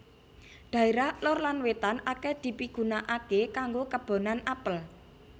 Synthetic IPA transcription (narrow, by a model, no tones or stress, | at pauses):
ɖ̪̥a̤eɾahlɔrlanwet̪anakɛd̪̥i̤piɡ̥ṳnaʔakekaŋɡokəb̥o̤nanapəl